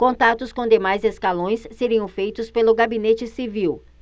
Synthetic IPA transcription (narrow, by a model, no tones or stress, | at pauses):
kõnt̪at̪ʊskõd̪emajzeskalõj̃sːeɾiɐ̃w̃fejt̪ʊspelʊɡabinet͡ʃɪsiviw